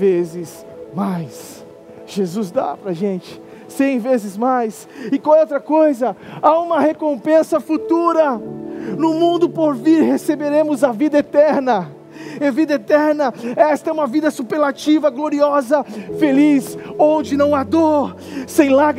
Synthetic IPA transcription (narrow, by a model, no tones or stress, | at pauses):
vezɪs | majs | ʒ̥ezuzd̪a̰pɾɐʒẽnt͡ʃɪ̥ | sẽj̃vezɪzmajs | ɪkawɛowt̪ɾɐkojzɐaũmɐhekõpẽsɐfut̪uɾɐnʊmũnd̪ʊpoɾviɾhesebeɾẽmʊzɐvid̪ɐet̪ɛɾnɐ | ɛvid̪ɐet̪ɛɾnɐɛst̪ɐɛũmɐvid̪ɐsupeɾlat͡ʃivɐɡloɾiɔzɐfelisod͡ʒɪnɐ̃w̃ad̪oɾ | sẽj̃laɡɾ